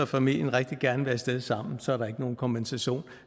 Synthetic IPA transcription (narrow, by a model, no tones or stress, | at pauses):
ɒfæmil̰jənʁeɡ̥̚d̥iɡ̥æɐnəʋeɐsd̥eð̞ˠsɑ̈m̰n̩sɒ̽æɐɾɑ̈e̝ɡ̥əno̝ːn̩kʰɒ̽mb̥ensæɕo̝̰ːn